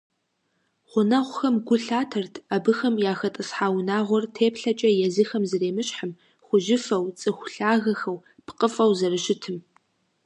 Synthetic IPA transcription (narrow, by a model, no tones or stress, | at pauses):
χʷʊnɐʁʷʊxɐmɡʷʊɬaːtʰɐrtʰɐbɨxɐmjaːxɐtʼɨsħaːwnaːʁʷɔrtʰeːpʰɬɐt͡ʃʼɐjɛzixɐmzɨreːmɨɕħəm | χʷʊʒɪfɐwt͡sʼɨxʷʊɬaːɣɐxɐw | pʰqʼəfʼɐwzɐrɨʃɪtʰɨm